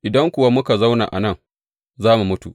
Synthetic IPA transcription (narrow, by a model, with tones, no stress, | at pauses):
ʔɪ˨dɐ˦ŋkʷʊ˨wa˦mʊ˦ka˨za˦wna̰˨ʔa̰˨nɐ˦˨ŋ | zaː˦mu˨mʊ˦tṵ˨